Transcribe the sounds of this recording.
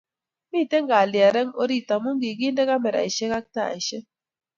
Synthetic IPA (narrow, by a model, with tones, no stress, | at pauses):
miː˦˨te˦ŋɡa˨li˨a˨ɾɛ˦ŋo̰˦ɾi˦˨ta˨mu˦ŋɡi˨ɡi˦ndɛ˦ka˦mɛ˨ɾa̰˨i˨ʃe˦ka˦k̚ta˦a̰˨i˨ʃe˦